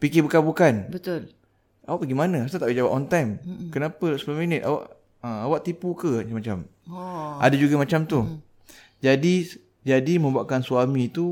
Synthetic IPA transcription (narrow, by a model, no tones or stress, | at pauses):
pikɪbəkabukanbət̪ʊl | ʔawaʔpəɡimanãast̪at̪aʔbəd͡ʒawap̚ʔɔnt̪ajmkənapəlʔsə̥pulaminɪt̪a̰wa̰ʔ | ə̃awaʔt̪ipukəmat͡ʃam | ʔa̰dad͡ʒuɡamat͡ʃamt̪u | d͡ʒadi | d͡ʒadimə̃mbuaʔkansuamĩt̪u